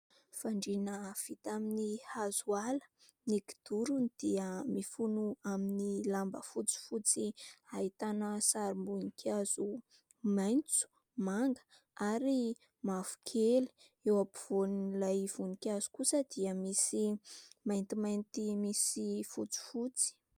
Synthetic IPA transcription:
faɳɖ͡ʐinəv̥it̪aminihazualə̥ | niki̥d̪̥uɾund̪̥iəmifunuaminilambə̰fut͡si̥fut͡siait̪anəsaɾimbunikʰaz̥u | majnt͡su̥ | maŋɡə̥ | aɾi | mafu̥kʰeli̥ | ewapiv̥onlajv̥unikʲaz̥u̥kusəd̪̥iəmisimajnt̪imajnt̪imisifut͡si̥fut͡si̥

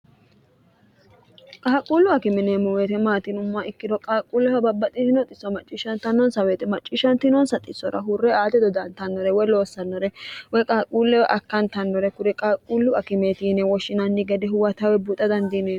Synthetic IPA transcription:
kʼaːkʼuːlːʊɐkɪmɛneːmːɔweːt̪ɛmaːt̪ɪnʊmːɐʔɪkːɪd̪ɔkʼaːkʼuːlːɛwɐbɐbːɐt̪ʼɪtnɔt̪ʼɪsːɔmɐt͡ʃʼːiːʃɐnt̪ɐnːɔnsɐweːt̪ɛmɐt͡ʃʼːiːʃɐnt̪ɪnɔnsɐt̪ʼɪsːɔɾɐ̰ɦʊrːɛaːt̪ɛd̪ɔd̪ɐnt̪ɐnːɔɾɛwɔjlo̞ːsːɐnːɔɾɛwɔjkʼaːkʼuːlːɛwɛʔɐkːɐnt̪ɐnːɔɾɛkʊɾɛkʼaːkʼːuːlːʊɐkɪmeːt̪iːnɛwɔʃːɪnɐnːɪɡɛd̪ɛhʊwɐt̪ɐwɛbut̪ʼːɐd̪ɐnd̪ineː

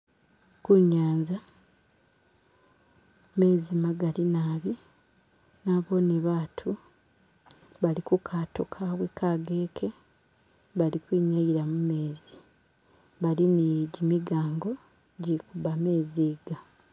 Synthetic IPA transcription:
kuɲːaːɲza | me̞ːzimaɡalinaːβi | naβo̞niβaːtʰu | βalikukʰatokʰaβwekʰaɡe̞ːkʰe̞ | βalikwiːɲajiɾamume̞ːzi | βaliniɟimiɡaːŋɡo̞ | ɟikubame̞ːziɡa

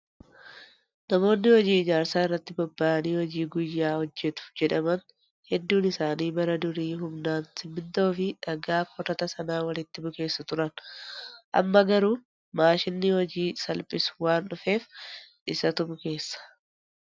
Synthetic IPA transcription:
nɐmo̞ːnːɪhɔd͡ʒiːɪd͡ʒaːɾsaːɪrːɐt̪ːɪbɐbːaːʔɐniːhɔd͡ʒiːɡʊjːaːhɔd͡ʒːɛt̪ʊ̥d͡ʒɛᶑɐmɐn | hɛd̪ːuːnɪsaːniːbɐɾɐd̪ʊɾiːɦʊmnaːnsɪmːɪnt̪ɐʊfɪᶑɐɡaːɔɾɐt̪ɐsɐnaːwɐlɪt̪ːɪbʊke̞ːsːɐt̪ʊɾɐn | ʔɐ̰mːɐɡɐɾuː | maːʃɪnːɪhɔd͡ʒiːsɐlpʼɪswaːnᶑʊfe̞ːfᶑɪsɐt̪ʊbʊke̞ːsːɐ̥

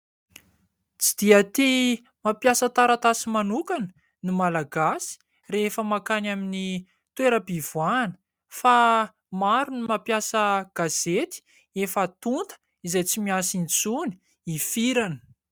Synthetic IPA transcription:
t͡sid̪̥iat̪i | mapjasət̪aɾat̪asimanukanə̥ | nimalaɡasi̥ | reefəmakanamini | t̪weɾəbivuanə̥ | fa | maɾunimapjasəɡ̥azet̪i̥ | efat̪unt̪ə̥ | izajt͡simiasint͡suni̥ | ifiɾanə̥

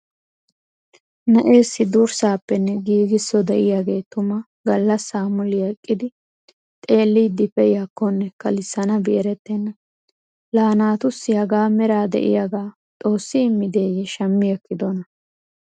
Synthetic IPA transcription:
nɐʔe̞ːsːɪd̪uːɾsaːpːɛnːɛɡiːɡɪsːɔd̪ɛʔɪjaɡe̞ːt̪ʊmɐ | ɡɐlːɐsːaːmʊlɪɐkʼːɪd̪ɪ | t̪ʼe̞ːlːiːd̪ɪpːɛjakːɔnːɛkɐlɪsːɐnɐbɪʔɛɾɛt̪ːɛnːɐ | laːnaːt̪ʊsːɪjɐɡaːmɛɾaːd̪ɛ̰ʔɪ̰jaɡaː | t̪ʼo̞ːsːɪɪmːɪd̪e̞ːjɛʃɐmːɪjɛkːɪd̪ɔnɐ

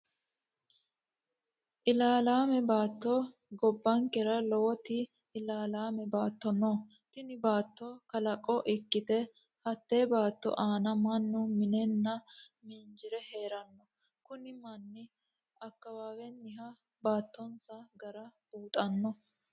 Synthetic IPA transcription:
ʔɪlaːlaːmɛbaːt̪ːoː | ɡɔbːɐŋkɛɾɐlɔwɔt̪ɪː | laːlaːmɛbaːt̪ːɔnoː | t̪ɪnɪbaːt̪ːɔkɐlɐkʼːɔʔɪkːɪt̪ɛ | hɐt̪ːeːbaːt̪ːɔ̰ʔaːnɐmɐnːʊmɪnɛnːɐ | miːnd͡ʒɪɾɛheːɾɐnːɔ | kʊnɪmɐnːɪ | ɐkːɐwaːwɛnːɪɦɐ | baːt̪ːɔnsɐɡɐɾɐ | uːt̪ʼɐnːɔ

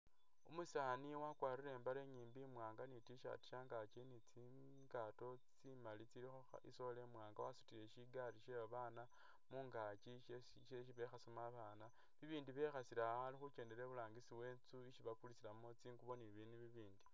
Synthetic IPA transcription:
umusaːniwakwaːɾiɾe̞ːmbaɾe̞ɲiːmbimwaːŋɡanitiʃa̰ti̥ʃaːŋɡat͡ʃenit͡si | ɡato̞t͡simalit͡sii | ḭso̞le̞mwaːŋɡawasu̥tiɾe̞ʃiɡaɾiʃeβaβaːna | muːŋɡat͡ʃiʃe | ʃeʃiβe̞xasomaβaːna | βiβiːndiβe̞xasiɾaalixuce̞ːnde̞ɾeβulaːŋɡisiwe̞ːnt͡suiʃiβakulit͡silamo̞t͡siːŋɡuβo̞niβiniβiβiːndi

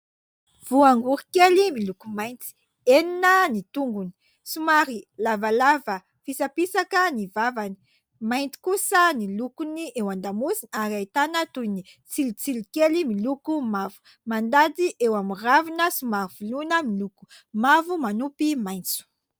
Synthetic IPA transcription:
v̥uaŋɡuɾikelimilukumajnt͡si̥ | eninənit̪uŋɡuni̥ | sumaɾilavalavə | fisapisakənivavani̥ | majnt͡s̪i̥kusənilukuniʔewand̪amuzinaɾiajt̪anət̪ujnit͡silit͡silikelimilukumavu̥ | mand̪ad̪iʔewamiravinəsumaɾiv̥ulunəmiluku̥ | mavumanupimajnt͡su̥

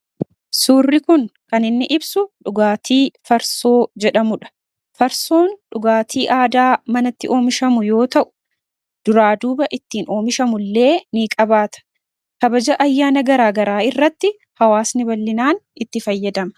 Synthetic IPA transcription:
suːrːɪkʊnkɐnɪnːɪʔɪbsʊᶑʊɡaːt̪ʰiːfɐɾso̞ːd͡ʒɛᶑɐmʊᶑɐ̥ | fɐɾso̞ːnᶑʊɡaːt̪iːʔaːd̪aːmɐnɐt̪ːɪʔo̞ːmɪʃɐmʊjo̞ːt̪ɐʔʊ̥ | d̪̥ʊɾaːd̪uːbɐʔɪt̪ːiːno̞ːmɪʃɐmʊlːe̞ːniːkʼɐbaːt̪ɐ̥ | kɐbɐd͡ʒɐʔɐjːaːnɐɡɐɾaːɡɐɾaːɪrːɐt̪ːɪ | hɐwaːsnɪbɐlːɪnaːnɪt̪ːɪfɐjːɐd̪ɐmɐ

